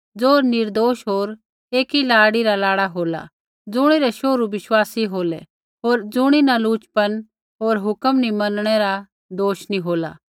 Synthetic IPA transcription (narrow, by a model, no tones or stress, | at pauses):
d͡zoːɾnɪɾd̪oːʃɦoːɾ | eːkilaːɽiɾalaːɽaɦoːla̰ | d͡zʊɽ̃iɾɛʃoːɾubɪʃwaːsiɦoːlɛ̰ | ɦoːɾd͡zʊɽ̃inaluːt͡ʃpən | ɦoːɾɦʊkəmnimɐnɽ̃ɛɾa | d̪oːʃniɦoːla̰